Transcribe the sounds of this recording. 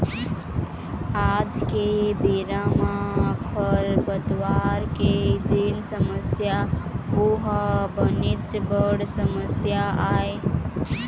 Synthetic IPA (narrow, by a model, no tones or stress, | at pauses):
ad͡ʒkebiɾamaəkʰəɾbət̪waɾked͡ʒinsəməsjauɦbənit͡ʃbəɽsəməsjaae